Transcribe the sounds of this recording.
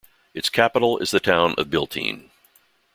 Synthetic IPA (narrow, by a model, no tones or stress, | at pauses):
ɨtskʰæpəɾl̩ˠɪ̰zðɨtʰãʊ̃nʔʌ̰vbɪlˠtʰḭ̃n